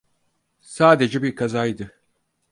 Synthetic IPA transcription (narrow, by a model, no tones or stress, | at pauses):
saːd̪e̞d͡ʒɛbiɾkʰazajd̪ɯ